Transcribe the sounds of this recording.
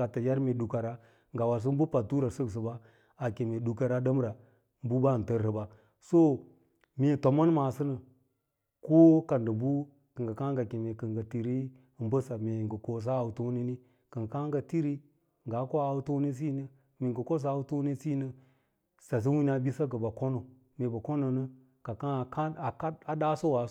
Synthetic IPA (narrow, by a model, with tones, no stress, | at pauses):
a˨tə˨ja˦ɾme˨ɗu˨ka˨ɾa˦ | ŋɡa˨wa˨ɾs̬ə˦bu˦pa˨tu˦ɾa˨sə˦ks̬ə˨ba˦ | a˨ke˨me˨du˨ka˨ɾa˦də˦m˦ɾa˨ | m˦bu˦ba˦˨n˨tə˦ɾɾə˨ba˨ | so˦ | me˨to˨ma˦nma˨sə˦nə˨ | ko˦ka˨ndə˨bu˦ | kə˨ŋɡa˨ka˦ŋɡa˨ke˨me˨kə˨ŋɡa˨ti˨ɾi˦˨ | m˦bə˦sa˨me˨ŋɡə˨ko˨s̬a˦˨u˨to˦ni˦ni˦ | kə˨ŋɡka˦ŋɡa˨ti˦ɾi˦ | ŋɡa˨˦ko˦a˨u˦to˦ni˦s̬i˦nə˦ | me˨ŋɡə˨ko˦s̬a˦˨u˦to˦ni˦si˦nə˦ | sa˨s̬i˦wi˦n˦a˨bi˦sa˦kə˨ba˨ko˦no˨ | me˨ba˨ko˦no˨nə˦ | ka˨ka˦˨ka˦a˨ka˦a˨da˦so˦wa˨˦